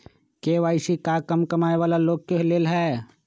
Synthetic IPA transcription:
keːʋaːɪsikaːkəmkɐmaːeʋaːlaloːɡ̚keɦleːlɦɛː

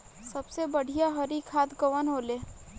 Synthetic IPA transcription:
sɐbsebəɽ̤ʱijaɦɐɾikʰaːt̪ɡəʋənɦoːleː

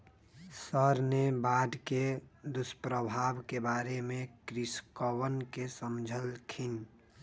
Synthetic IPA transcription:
səɾnebaːɖked̪ʊspɾəbʱaːbkebaːɾemẽkɾɪskəwənkesəmd͡ʒʱəlkʰɪn

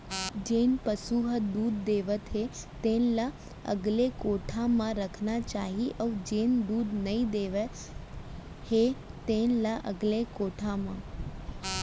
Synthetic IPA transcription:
d͡ʒenpəsuɦəd̪uːd̪ːeʋət̪ɦet̪enla | ə̰ɡlekoʈʰamãɾəkʰnat͡ʃaːɦiʔəud͡ʒend̪uːd̪nəĩd̪eːʋe | het̪enlaʔə̰ɡlekoːʈʰamã

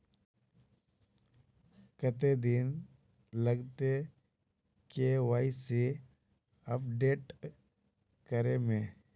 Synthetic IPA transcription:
kət̪ed̪iːn | ləɡt̪e | keʋaːise | əpɖeːʈ | kəɾemẽː

